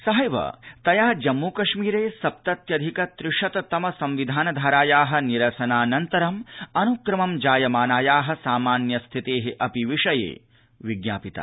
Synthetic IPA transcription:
sɐɦɐjʋɐ̰t̪ɐjaːd͡ʒɐmːuːkɐʂmiːɾeːsɐp̚t̪ɐt̪jɐd̪ʱikɐt̪ɾɪʂɐt̪ɐt̪ɐmɐsɐmʋid̪ʱaːnɐd̪ʱaːɾaːjaːɦɐ̆niɾɐsɐnaːnɐnt̪ɐɾɐmɐnukɾɐmɐmd͡ʒaːjɐmaːnaːjaːɦɐ̆saːmaːnjɐst̪ʰit̪eːɦeʔɐpiʋiʂɐjḛː | ʋiɡnaːpit̪a̰ː

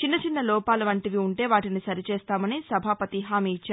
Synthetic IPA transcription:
t͡ʃinːɐt͡ʃinːɐlɔːpaːlɐʋɐɳʈiʋiuɳʈe̞ːʋaːʈinisɐɾit͡ʃeːst̪aːmɐnisɐbʱaːpɐt̪iɦaːmiit͡ʃːaːɾ

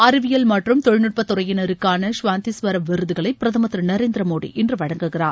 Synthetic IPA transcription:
ɐɾɪʋɪjɐlmɐʈrɯmt̪ɔɻnɯʈ̚pɐt̪ːʊrɐjɪnɐɾɯkːaːnɐʂʋaːnt̪isʋɐɾɐmʋɪɾɯðɯɣɐɭɐɪpːɪɾɐðɐmɐt̪ːɾɯnɐɾeːnd̪ɾɐmoːɽḭʔɛndrɯʋɐɻɐŋɡɯɣɪraːn

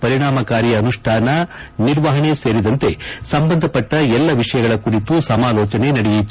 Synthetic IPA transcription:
pɐɾiɳaːmɐkaːɾjɐːnuʂʈʰaːnɐ | niɾʋɐɦɐɳe̞se̞ːɾid̪ɐnt̪e̞sɐmbɐnd̪ʱɐpɐʈːɐɛlːɐʋiʂɐjɐɡɐɭɐkuɾit̪usɐmaːlɔːt͡ʃɐne̞nɐɽejit̪ː

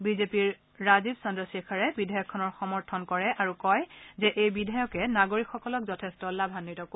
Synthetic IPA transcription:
bizepiɹː | azibsɔndɹɔsikʰaɹɛbidʱajɔkʰːɔnɔɹxɔmɔɹtʰɔnkɔɹɛʔaɹukɔjzɛʔejbidʱajɔkɛnaɡoɹikxɔkɔlɔkzɔtʰɛstɔlabʱanːitɔko

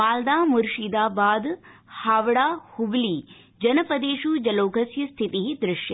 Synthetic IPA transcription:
maːld̪aːmuɾʃid̪aːbaːd̪ | haːʋɽaːhubliː | d͡ʒɐnɐpɐd̪eːʃuːd͡ʒɐloːkʰɐsjɐst̪ʰit̪iɦid̪ɾɪʃjɐ

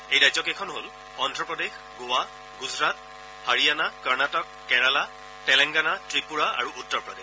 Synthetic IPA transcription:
ejɹajzɔkekʰɔnɦol | ɔndɹɔpɹɔdex | ɡowa | ɡuzɹat̚ | haɹijanakaɹnatɔkːɛɹala | tɛlɛŋɡanatɹipuɹaʔa̰ɹuʔutːɔɹpɹɔdex

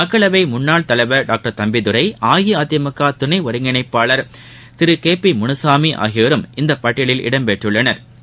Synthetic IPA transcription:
mɐkːɐɭɐʋɐɪmʊnːaːɭt̪ɐlɐɪʋɐɖaːk̚ʈɐɾt̪ɐmbɪðɯɾɐɪʔaːjiaːt̪ɪjɐmɯkːaːt̪ʊnɐɪʋɔɾɯŋɡɐɳɐɪpːaːɭɐɾ | t̪ɪɾɯkeːpimʊnɯsaːmiʔa̰ːɣɪʋɐɾɯmɪnd̪ɐpɐʈːɪɭɪlɪ̰ɽɐmpeʈrɯɭːɐnɐɾ

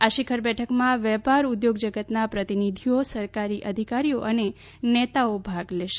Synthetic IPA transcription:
aʃikʰəɾbɛʈʰəkmãʋɛpaɾud̪joɡd͡ʒəɡət̪napɾət̪inid̪ʱiosəɾkaɾiʔəd̪ʱikaɾijoʔəne | nɛt̪aobʱaɡleʃe

